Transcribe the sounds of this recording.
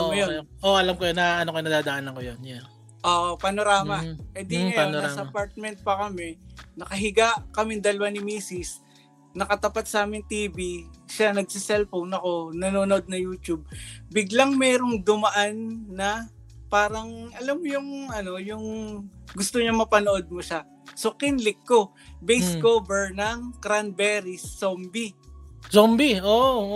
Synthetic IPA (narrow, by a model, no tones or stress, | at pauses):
jonʔoʔɐlamkojnaʔɐnokojnɐd̪aːd̪ɐʔanɐkojonja | ʔoʔopɐnoɾaːmɐʔɛd̪iŋɐjanoɾasɐpaɾt̪̚mɛnt̪̚pɐkɐmɛnɐkɐɦɪɡaʔkɐmɪnd̪ɐlɐwanɪmiːsɪs | nɐkɐt̪ɐpat̪̚sɐʔaːmɪŋt̪iːbiʃanɐɡ̚sɪsɛlfownɐko̞nɐnoːnod̪̚nɐjuːt͡ʃub̚bɪɡlaŋmɛːɾo̞ŋd̪ʊmɐʔanːɐ | paːɾɐŋʔɐlamːojʊŋʔɐno̞jʊŋɡʊst̪oɲamɐpɐnoʔod̪̚moʃa | so̞kɪnlɪkːo̞ | bɛjskovɛɹnɐŋkɾanbɛːɾɪsːombisombio